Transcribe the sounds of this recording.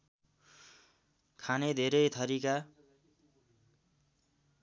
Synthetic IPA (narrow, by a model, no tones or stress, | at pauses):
kʰaned̪ʱeɾʌjt̪ʰʌɾika